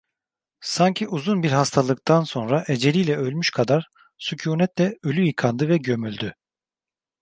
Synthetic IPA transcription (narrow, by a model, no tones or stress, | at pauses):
saɲcʰiʔuzunbiɾɦast̪ʰalˠɯk̚t̪ʰanso̞nɾaʔed͡ʒe̞lʲijlʲɛø̞lʲmyʃkʰad̪aɾ̥ | sucʰuːnɛt̪lʲɛølʲyjɯkʰand̪ɯvɛɟø̞mylʲd̪y